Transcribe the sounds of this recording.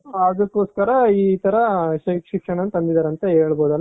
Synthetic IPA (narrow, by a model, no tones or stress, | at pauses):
ɐd̪ɐkːoːskɐɾɐiːt̪ɐɾɐʃikʂikʂɐɳɐnt̪ɐnd̪id̪aːɾeɐnt̪ɐɦeːɭboːd̪ɐlːa